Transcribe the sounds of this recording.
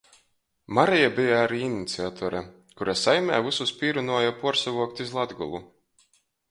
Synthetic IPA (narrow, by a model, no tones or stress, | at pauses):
maɾɛjabijaaɾiːinit̪siat̪ʰɔɾa | kuɾasajmʲɛ̰ːvususpʲiːɾunuɔjapuɔɾsavuɔk̚t̪izlˠad̪ɡṵlˠu